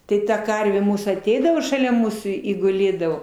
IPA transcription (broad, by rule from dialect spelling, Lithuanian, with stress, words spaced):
ˈtɐɪ tɐ ˈkɐrʲʋʲeː ˈmuːsuː ɐˈtʲɛɪdɐʋoː ʃɐˈlʲɛ ˈmuːsuː ɪ ɡʊˈlʲeːdɐʋoː